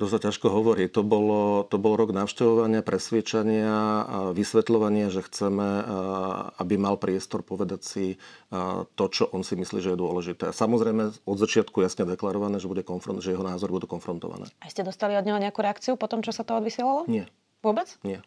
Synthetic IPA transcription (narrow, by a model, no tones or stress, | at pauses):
d̪ɔsacaʃkɔɦɔʋɔɾit̪ɔbɔlɔt̪ɔbɔlɾɔɡnaʊʃcɛʋɔʋaɲɪapɾʔɛsʋɪɛt͡ʃaɲɪaʋisʋɛt̪lɔʋaɲɪaʒɛxt͡sɛmɛ | a̰bimalpɾɪɛst̪ɔɾpɔʋɛd̪acsi | t̪ɔt͡ʃɔʔɔnsimisliːʒɛjɛd̪ʊɔlɛʒit̪ɛːasamɔzɾɛjmɛɔd̪zat͡ʃɪat̪kujasɲɛd̪ɛklaɾɔʋanɛːʒɛbuɟɛkɔnfɾɔnʒɛjɛɦɔnaːzɔɾbud̪uːkɔnfɾɔnt̪ɔ̰ʋa̰nɛ̰ːaiscɛd̪ɔst̪aliɔd̪ɲɛɦɔɲɛakuɾɛakt͡siupɔt̪ɔmt͡ʃɔsat̪ɔɔd̪ʋisɪɛlalɔɲɪɛ | ʋʊɔbɛt͡sɲɪɛ